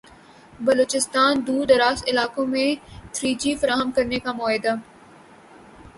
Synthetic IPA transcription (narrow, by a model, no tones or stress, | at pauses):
bɐloːt͡ʃɪst̪aːnd̪uːd̪ɾaːsɪlaːkõmẽt̪ʰɾiːd͡ʒifɐɾaːɦəmkɐɾnekamɔːɦɪd̪a